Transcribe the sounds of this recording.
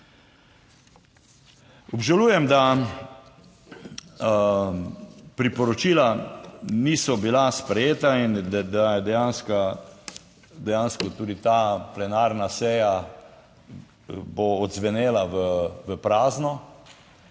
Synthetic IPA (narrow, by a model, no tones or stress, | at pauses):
ɔbʒaluːjɛmd̪a | pɾipɔɾɔt͡ʃiːla | niːsɔbilaspɾɛjeːt̪aind̪d̪ajɛd̪ɛjaːnska | d̪ɛjaːnskɔt̪uːd̪it̪aplɛnaːɾnasɛːja | boːd̪zʋɛneːlaʋəʋəpɾaːznɔ